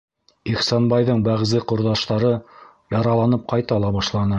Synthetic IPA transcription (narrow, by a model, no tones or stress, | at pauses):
iχsɑnbɑjðɤɴbæʁzɘqŏɾðɑʃt̪ɑɾɤ | jɑɾɑlˠɑnɤp̚qɑjt̪ɑlˠɑβɑʃlˠɑnɤ